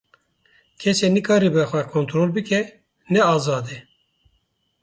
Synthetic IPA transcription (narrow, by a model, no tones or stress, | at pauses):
kʰɛseːnɨkʰɑːɾiːbɨxʷɛkʰont̪ɾoːlbɨkɛ | nɛɑːzɑːd̪e